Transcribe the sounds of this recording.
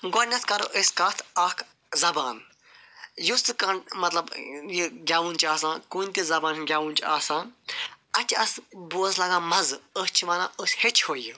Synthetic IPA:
ɡonʲɐt̪ʰkɐɾo̰ʔeskɐt̪ʰɐːkʰ | zɐbaːn | just̪ɨkɐɳmɐt̪lɐbjiɡʲaːʋunt͡ʃaːsãːkuːnʲt̪izɐbaːnɡʲaːʋuːnt͡ʃaːsãːn | ɐt͡ʃʰɐsbuɐzlaɡãːmɐzəst͡ʃʰiʋaːnã̰ːʔəsʲhet͡ʃʰhoːji

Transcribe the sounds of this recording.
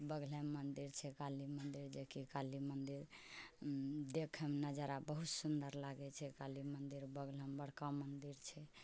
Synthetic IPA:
bəɡləmːənd̪iɾt͡ʃʰɛkalimənd̪iɾd͡ʒekikalimənd̪iɾ | d̪ekʰəmnəd͡ʒaɾabəɦut̪sund̪əɾlaɡɛt͡ʃʰɛkalimənd̪iɾbəɡləmbəɽ̤kamənd̪iɾt͡ʃʰɛ

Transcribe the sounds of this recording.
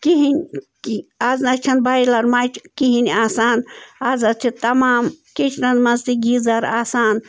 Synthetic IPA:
kiɦinʲkiaznɐt͡ʃʰɐnbajlɐɾmaːt͡ʃʰkiɦinʲaːsaːnazɐt͡ʃʰit̪ɐmaːmkit͡ʃʰnɐnmɐnzt̪iɡizɐɾaːsaːn

